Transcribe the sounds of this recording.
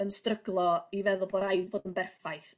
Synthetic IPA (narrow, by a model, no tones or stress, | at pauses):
ənstrəɡlˠɔivɛðʊlˠboːdajnvoːdənbɛrfajθ